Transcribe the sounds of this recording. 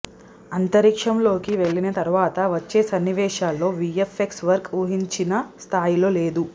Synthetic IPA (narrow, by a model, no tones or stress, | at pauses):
ɐnt̪ɐɾikʂɐmlo̞ːkiʋe̞ɭːinɐt̪ɐɾuʋaːt̪ɐʋɐt͡ʃːeːsɐnːiʋɛːʃaːlːo̞ːʋiefeksʋɐɾkuːɦiɲt͡ʃinɐst̪ʰaːjilo̞ːle̞ːd̪u